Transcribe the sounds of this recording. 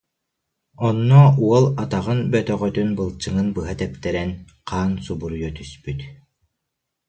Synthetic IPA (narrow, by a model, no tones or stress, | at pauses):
ɔnːɔuɔlˠat̪aʁɯnbœt̪œʁœt̪ynbɯlˠt͡ɕɯŋɯnbɯɦat̪ɛpt̪ɛɾɛn | qaːnsubuɾujɔt̪yspyt̪